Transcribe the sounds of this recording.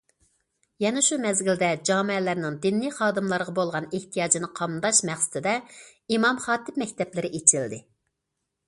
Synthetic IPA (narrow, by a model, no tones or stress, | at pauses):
jɛnɛʃumɛzɡʲild̪ɛd͡ʒɑːmɛlæɾnɪŋd̪ɪnːijχɑːd̪ɨmlˠɑɾəʁɑbolˠʁɑneht̪ʰijɑːd͡ʒinɨqʰɑmd̪ɑʃmæχsɪ̥t̪ʰɪd̪ɛ | imɑmχɑːt̪ʰɪp̚mɛkʲt̪ʰɛplɪɾɪʔet͡ʃʰild̪ɪ